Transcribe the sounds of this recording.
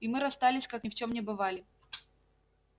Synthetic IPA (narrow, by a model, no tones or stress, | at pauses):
imɨɾɐst̪alʲɪsʲkaknʲɪft͡ɕomnʲɪbɨvalʲɪ